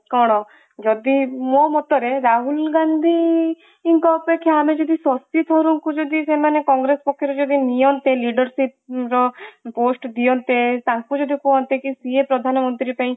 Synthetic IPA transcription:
kɔɽ̃ɔ | d͡ʒɔd̪imomɔt̪ɔɾeɾaɦulɡand̪ʱiː | ŋkɔːpekʰːjaamed͡ʒɔd̪isɔst̪it̪ʰɔɾuŋkud͡ʒɔd̪isemanekɔŋɡɾespɔkʰːjɔɾɔd͡ʒɔd̪inijɔnt̪eliɖɔɾsipɾɔposʈd̪ijɔnt̪et̪aŋkud͡ʒɔd̪ʱikɔɦɔnt̪ekisiepɾɔd̪ʱanɔmɔnt̪ɾipaĩ

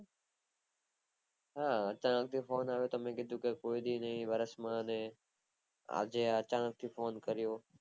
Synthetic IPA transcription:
ɦaːət͡ʃãːnək̚t̪ʰiːfoːnaːʋoːt̪omẽɡɪd̪ʱũːkekoːid̪ʱiːnəĩːʋəɾəsmãːnẽː | a̰ːd͡ʒeːat͡ʃãːnək̚t̪ʰiːfoːnkəɾɪjoː

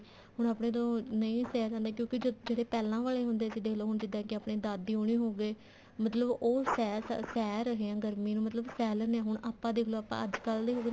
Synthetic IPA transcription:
ɦʊɳaːpɳeːt̪õːnəĩːsɛːsãnd̪ẽːkjõːkɪd͡ʒoːd͡ʒeːɽeːpɛːlãːʋaːleːɦʊnd̪eːsiːd̪eːloːɦʊɳd͡ʒɪd̪ãːkɪaːpɳeːd̪aːd̪iːoːɳiːɦoːɡeː | mət̪ləboːsɛːssɛːɾəɦeːãːɡəɾmiːnũmət̪ləbsɛːlənɛ̃ːɦʊɳaːpːãːd̪eːkʰloːapːã̰ːəd͡ʒkəld̪eːɦoːɡ

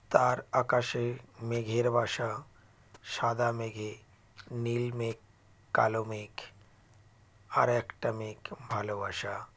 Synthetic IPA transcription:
t̪aɾakaːʃemeɡʱeɾbʱaːʃa | ʃaːd̪ameɡʱe | niːlmekː | alomek | a̰ɾekʈəmekbʱalobʱaːʃa

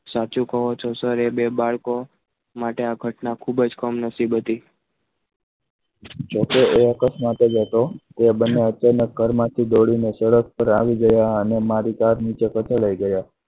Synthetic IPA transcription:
sat͡ʃũkəɦot͡ʃʰosəɾebebaɭko | maʈeaɡʱəʈnakʰubəd͡ʒkəmnəsibʱət̪i | d͡ʒokeeəkəsmat̪ed͡ʒət̪ot̪ebənːeət͡ʃanək̚ɡʱəɾmãt̪ʰid̪oɽinesəɽək̚pəɾa̰ʋiɡəjaənemaɾikaɾnit͡ʃekət͡ʃəɭaiɡəja

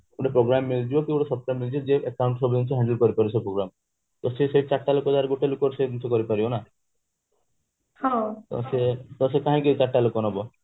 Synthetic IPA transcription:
uɽepɾoɡɾamːild͡ʒibɔkeuɽɔsɔp̚ʈamːild͡ʒid͡ʒeʔekawɳʈsɔbint͡ʃʰɔɦɛɳɖəlkɔɾipaɾisʰɔpɾoɡɾam | t̪ɔseseit͡ʃaʈːalokɔd̪aɾɡoʈelukɔɾsed̪unt͡ʃʰɔkɔɾipaɾibɔna | hɔ̃t̪ɔ̰set̪ɔsekaɦãkit͡ʃaʈːalokɔnbɔ

